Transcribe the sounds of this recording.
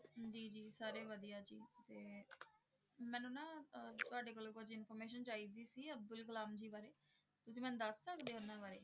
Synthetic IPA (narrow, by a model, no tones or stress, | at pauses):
d͡ʒiːd͡ʒiːsaːɾeːʋəd̪ijaːd͡ʒiːt̪eː | mɛ̃ːnʊnãːt̪ʊaːɖeːkoːlõːkʊd͡ʒɪnpʰɔːɾmeːʃənt͡ʃaːiːd̪iːsiːəb̚d̪ʊlkəlaːmd͡ʒiːbaːɾeː | t̪ʊsĩːmɛ̃ːnũːd̪əsːəkd̪eːʊnːãːbaːɾeː